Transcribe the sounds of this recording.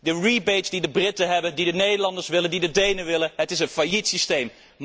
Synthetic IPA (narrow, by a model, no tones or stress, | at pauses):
dəɹibetsdidəbrɪtəɦɛbəndidənejdəlɑndəɹsʋɪləndidədejnəʋɪlənɦətɪsə̃nfajitsistejm